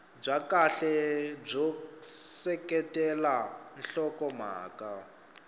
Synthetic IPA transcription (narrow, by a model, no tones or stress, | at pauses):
b͡ʐʷakaɬɛb͡ʐɔsɛkɛtʼɛlan̩ɬɔkɔm̤a̰ːkʼa